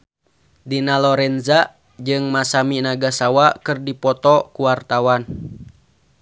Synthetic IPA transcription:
dinalɔɾɛnzaʔ | d͡ʒɨŋmasaminaɡasawakɨrdipɔt̪ɔkuwart̪awan

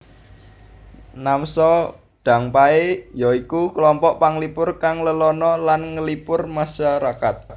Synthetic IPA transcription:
namsɔ | ɖ̥ä̤ŋpaejɔikuklɔmpɔʔpaŋlipʊrkaŋləlɔnɔlanŋəlipʊrmaʃaɾakat̪̚

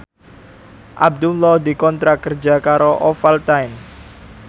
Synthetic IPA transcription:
ʔab̚d̪ulɔhd̪ikɔnt̪ɾakərd͡ʒakaɾoʔɔfalt̪ajn

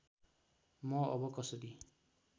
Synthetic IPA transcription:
mɔɔ̰bɔkɔsɔd̪i

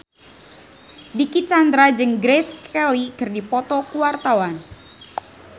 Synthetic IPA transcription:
dikit͡ʃand̪ɾad͡ʒɨŋɡɾɛskɛlikɨrdipɔt̪ɔkuwart̪awan

